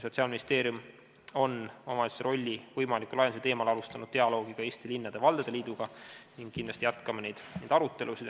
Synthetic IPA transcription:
so̞t̪siɑlminist̪e̞ːɾjum | o̞nomɑlisɾo̞lʲːivɤjmɑlikːˑulɑjenset̪e̞ːmɑlɑlust̪ɑnud̪̥t̪e̞ɑlo̞ːɡ̥iɡ̥ɑeːst̪ilinːɑd̪̥e̞vɑld̪̥ed̪e̞liːd̪̥uɡ̥ɑniŋɡ̥kːind̪lɑst̪ijæt̪kɑmɑnejd̪̥nejd̪ɑɾut̪ˑːe̞lusid̪

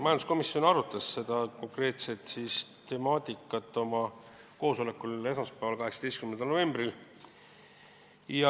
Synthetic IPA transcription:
mɑjɑnd̪u̥sko̞misio̞nɑɾut̪ːˑɑsːe̞d̪̥ɑko̞ŋkre̞ːt̪se̞t̪sistt̪e̞mɑːt̪ʲˑikːˑɑt̪ːˑo̞mɑ | ko̞ːsolekːˑule̞smɑspævɑlkɑɦe̞ksɑ̥t̪est̪kymːend̪ɑlnove̞mbril | jɑ

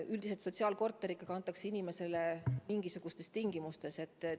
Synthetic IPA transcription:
ʔyld̪̥is̬et̪so̞t̪ʲsiɑːlko̞rt̪ːˑe̞ɾikːˑɑkɑnt̪ːˑɑksinime̞se̞lemiŋɡ̥isuɡ̥ust̪e̞st̪iŋɡ̥imust̪e̞se̞t̪ːˑ

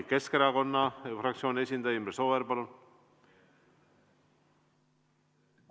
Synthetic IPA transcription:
ke̞ske̞ɾɑko̞nːɑfrɑk̚t̪sio̞ːnesʲind̪ɑjymbɾeso̞veɾpɑlun

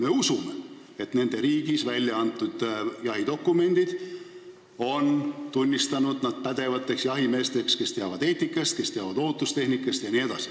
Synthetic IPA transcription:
me̞usume | e̞t̪ne̞nd̪e̞ɾiːɡ̥isvælʲjɑɑnt̪ːˑud̪̥jɑɦid̪̥o̞kːˑume̞nʲd̪̥id̪̥ | o̞nt̪unʲːist̪ɑnud̪̥nɑd̪̥̚pæd̪̥e̞vɑt̪ːˑe̞ksjɑɦime̞ːst̪e̞kske̞st̪e̞ɑvɑd̪̥e̞ːt̪ːikːˑɑst̪̚ke̞st̪e̞ɑvɑd̪̥o̞ːt̪ːˑust̪e̞hnikːˑɑst̪jɑnie̞d̪̥ɑsi̥

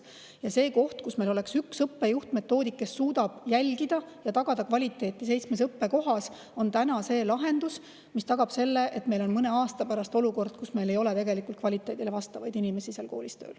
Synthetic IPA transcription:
jɑse̞ːko̞ht̪kusme̞jlo̞le̞ksyksɤpːejuht̪me̞t̪ːo̞ːd̪ikːesːuːd̪ɑb̥jælʲɡid̪̥ɑjɑt̪ɑɡ̥ɑd̪̥ɑkvɑlʲit̪ːˑe̞ːt̪ːˑis̬e̞jt̪smes̬ɤpːe̞ko̞ɦɑs | o̞nt̪ænɑse̞ːlɑɦe̞nd̪us | mist̪ɑɡ̥ɑb̥se̞lːe̞ʔet̪me̞jlo̞nmɤne̞ɑːst̪ɑpæɾɑst̪o̞luko̞rd̪̥̚kusme̞jle̞jo̞let̪e̞ɡe̞likːˑult̪̚kvɑlʲit̪ːˑe̞ːd̪ilevɑst̪ɑvɑjd̪̥inime̞siselko̞ːlist̪ø̰ːl

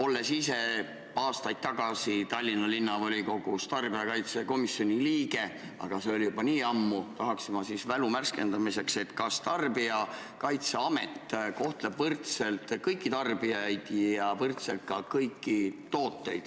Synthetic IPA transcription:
o̞lːe̞sise̞ | ɑːst̪ɑjd̪̥̚t̪ːɑɡ̥ɑsit̪ɑlʲːinɑlinːɑvolʲiko̞ɡ̥ust̪ɑrbiɑkɑjt̪seko̞misjo̞nʲiliːɡ̥e̞ | ɑ̰ɡ̥ɑseo̞lʲjubɑniːɑmːut̪ɑɦɑksimɑsisvælumærske̞nd̪ɑmise̞kse̞t̪kɑst̪ɑrbiɑ | kɑjt̪se̞ɑme̞̰t̪ːko̞ht̪leb̥vɤrt̪se̞lt̪kɤjkːˑit̪ɑrbiɑjd̪̥jɑvɤrt̪selt̪̚kɑkɤjkːit̪o̞ːt̪ˑːe̞jd̪̥

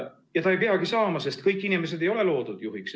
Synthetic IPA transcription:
jɑt̪ɑejp̬eɑɡ̥isɑːmɑse̞st̪kɤjkːˑinimes̬e̞d̪̥e̞jo̞le̞lo̞ːd̪̥ud̪̥juɦiks

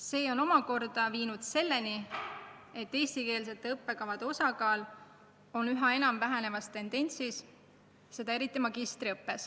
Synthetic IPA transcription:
se̞ːo̞no̞mɑko̞rd̪̥ɑviːnud̪̥se̞lːe̞ni | e̞t̪ːe̞ːst̪ike̞ːls̬e̞t̪ːˑeɤpːe̞kɑvɑd̪̥eo̞sɑkɑːl | o̞nyɦɑe̞nɑmvæɦene̞vɑst̪e̞nd̪̥e̞nʲsis | se̞d̪̥ɑeɾit̪ˑːimɑɡ̥ist̪ɾiɤpːe̞s

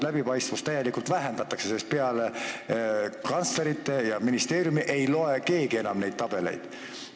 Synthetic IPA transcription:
læbipɑjst̪vust̪æjːe̞likult̪væɦe̞nd̪̥ɑt̪ːˑɑkse̞sest̪peɑle̞ | kɑnt̪sle̞ɾit̪ːe̞jɑminist̪e̞ːɾjumiʔe̞jlo̞e̞ke̞ːɡie̞nɑmne̞jd̪̥̚t̪ɑb̥e̞le̞̰jd̪̥

